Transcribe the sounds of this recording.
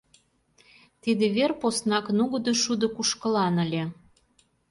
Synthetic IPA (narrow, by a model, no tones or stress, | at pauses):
t̪id̪ĕβerposnɑknuɣɤd̪ŏʃud̪ŏkuʃkə̆lɑnəlʲe